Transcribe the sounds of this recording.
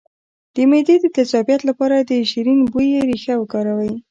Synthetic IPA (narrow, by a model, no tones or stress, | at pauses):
d̪̥əmed̪ed̪ət̪azɑbijat̪lapɑɾad̪əʃiɾinbujeɾixawəkɑɾawəj